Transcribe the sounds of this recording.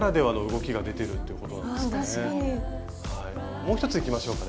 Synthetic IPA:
ɾad̪e̞βano̞ɯ̟ɡo̞kʲiɡad̪e̞t̪e̞ɾɯ̟t̪ːe̞iɯ̟ko̞t̪onãdɨsne | hai | mo̞ːçi̥t̪ot͡sɨikʲimaɕo̞ːkan

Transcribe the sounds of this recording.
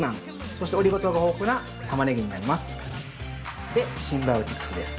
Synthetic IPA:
nãŋ | so̞ɕit̪e̞o̞ɾʲiɡo̞t̪oɡao̞ːkɯ̟na | t̪amaneɡʲiɲ̟inaɾʲimasɨ̥ | d̪̥e̞ɕĩmbaɯ̟t̪ʲi̥kːɯ̥sɨd̪esɨ̥

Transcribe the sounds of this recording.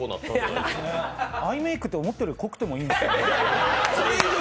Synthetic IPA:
ona̰t̪ːsneaime̞ːkɯ̟̥t̪ːeomo̞t̪ːeɾɯ̟kokɯ̟̥t̪e̞moĩːnd̪es | soɾe

